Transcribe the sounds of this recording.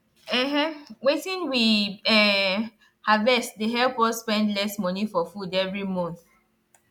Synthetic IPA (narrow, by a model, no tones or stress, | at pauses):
ɛɦɛ̃wetĩnwiɛ | havɛsdeɦɛlpɔsːpɛ̃ndlɛsmɔnifɔfudɛvɹimɔ̃nθ